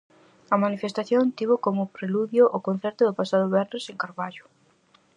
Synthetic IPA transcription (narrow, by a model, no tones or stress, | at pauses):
ɐmanifest̪aθjont̪iβʊkomʊpɾeluðjʊʔʊkon̟θɛɾt̪ʊðʊpasaðʊβɛɾneseŋkaɾβaʎʊ̥